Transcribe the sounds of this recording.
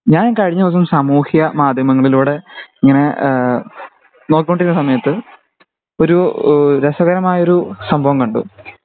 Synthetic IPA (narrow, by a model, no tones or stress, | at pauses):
ɲaːnkɐɻiɲːɐosumsaːmuːhjɐmaːd̪ʱjɐmɐŋːɐɭiluːɽe̞iŋːɐne̞ | no̞ːkʲːikːoɳɖiɾunːɐsɐmɐjɐt̪ːɨ | o̞ɾuɾesɐɣɐɾɐmaːjɐo̞ɾusɐmbʱɐʋɐmkɐɳɖṵ